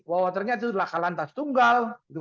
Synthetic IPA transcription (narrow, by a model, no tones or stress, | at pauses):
wawat̪̬ərɲat̪̬alakalant̪ast̪uŋɡalt̪u